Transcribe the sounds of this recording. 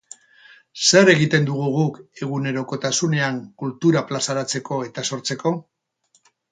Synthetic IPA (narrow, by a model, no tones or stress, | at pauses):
se̞ɾe̞ɣit̪e̞nd̪uɣ̞uɣ̞uke̞ɣ̞une̞ɾo̞ko̞t̪asune̞aŋkult̪uɾaplasaɾat͡se̞ko̞e̞t̪aso̞ɾt͡se̞ko̞